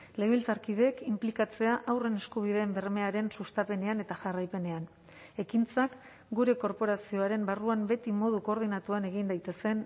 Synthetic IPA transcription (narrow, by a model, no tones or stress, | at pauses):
leɣeilt͡saɾkið̞ekimplikat͡se̞aʔawre̞ne̞skuβ̞ið̞e̞ːmbe̞ɾme̞aɾe̞nsust̪ape̞ne̞ane̞t̪aʝarajpe̞ne̞an | e̞kint͡sak | ɡuɾe̞ko̞ɾpo̞ɾasio̞aɾe̞mbaruambe̞t̪imo̞ð̞uko̞ːɾðinat̪uane̞ɣ̞ind̪ajt̪e̞se̞n